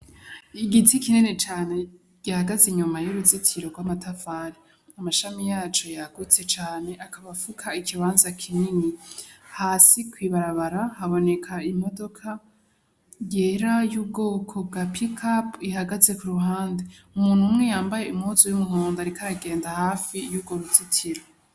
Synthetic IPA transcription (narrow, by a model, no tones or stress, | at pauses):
iɡitʰikininet͡ʃaːne̞ | ɟ̥ahaɡazeɲumajuɾuzitʰiɾo̞ɡwamatʰafaɾi | amaʃamijaːt͡ʃo̞jaɡ̥ut͡se̞t͡ʃaːne̞ʔakaβafukʰaikʰiβaːnzakʰininihaːsikwiβaɾaβaɾahaβo̞ne̞kʰaimo̞do̞kʰa | jeːɾajub̚ɡo̞ːkʰo̞b̚ɡapikʰapihaɡaze̞kuɾuɦaːndeumuːn̥humŋe̞jaːmbaje̞umhuzojumuɦoːndaɾikaɾaɡe̞ːndahaːfijubɡo̞ɾuzitʰiɾo